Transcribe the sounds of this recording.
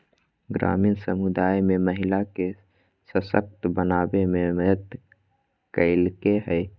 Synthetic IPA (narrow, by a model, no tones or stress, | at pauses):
ɡɾa̰miːnsəmud̪aːjmeməɦilake | səsək̚t̪bənaːbememəət̪ | kəɪlkeɦə